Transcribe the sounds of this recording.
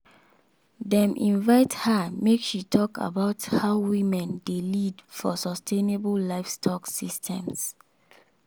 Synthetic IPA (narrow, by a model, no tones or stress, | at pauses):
dɛ̃mʔḭ̃nvaɪthamekʃitʰɔka̰baʊthaʊwĩmɛ̃ndelidfɔsɔstʰenebəllaɪfstʰɔksistʰɛ̃ms